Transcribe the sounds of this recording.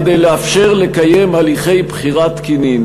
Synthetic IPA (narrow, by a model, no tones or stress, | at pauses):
d̪ejleafʃe̞ʁle̞kaje̞mhaliχe̞jbχiʁat̪kinin